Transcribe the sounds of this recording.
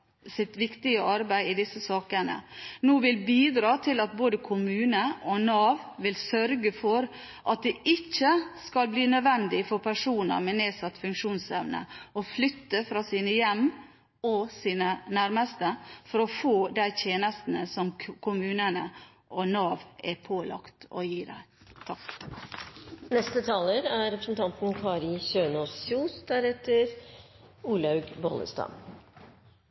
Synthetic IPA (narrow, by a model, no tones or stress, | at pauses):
sɪt̪ʋɪkt̪ɪɡəʔɑɾbæɪɪd̪ɪsːəsɑːkənə̰noːʋɪlbiːd̪ɾɑːt̪ʰɪlɑt̪̚boːd̪əkʰʊmʉːnəɔnɑːʋʋɪlsœɾɡəfɔɾ | ʔɑt̪̚d̪ɛʔɪt͡ʃːəskɑlbliːnœd̪ʋɛnd̪ɪfɔɾpʰæʂuːnə̰ɾmɛneːsɑt̪ːfʉŋkʂuːnsɛʋnə̰ɔflʏt̪ːəfɾɑːsiːnəjɛmː | ɔsiːnənæɾməst̪əfɔɾɔfoːd̪æɪt̪ʰjeːnəst̪n̩əsɔmkʰʊmʉːnənə | ʔɔnɑːʋɛpʰoːlɑ̰kt̪ɔ̰jiːdæ̰ɪ | t̪ʰɑk | nɛst̪ət̪ʰɑːləɾæɾɛpɾəsnt̪ʰɑnt̪n̩kʰɑːɾɪçøːnosuːsd̪æɾɛt̪əɾ | uːlɑʉɡbɔ̰ːlə̰st̪ɑ̰n